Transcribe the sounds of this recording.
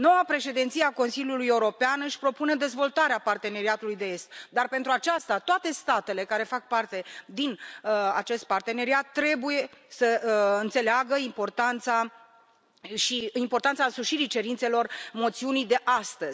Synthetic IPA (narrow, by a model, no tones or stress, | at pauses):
no̞wapɾe̞ʃe̞d̪int̪sijeako̞nsilʲjulujeuɾo̞peanɨʃʲpɾo̞pune̞d̪e̞zvo̞lt̪aɾeapart̪e̞ne̞ɾiat̪ulujd̪e̞e̞st̪̚d̪arpe̞nt̪ɾuat͡ʃast̪at̪oat̪e̞st̪at̪e̞le̞kaɾe̞fak̚part̪e̞d̪ina̰t͡ʃe̞st̪̚part̪e̞ne̞ɾiat̪ːɾe̞buje̞səɨnt̪se̞leaɡəimpo̞rt̪ant̪sa | ʃiimpo̞rt̪ant̪saɨnsuʃiɾit͡ʃe̞ɾint̪se̞lo̞rmo̞t̪siunijd̪e̞ʔast̪əzʲ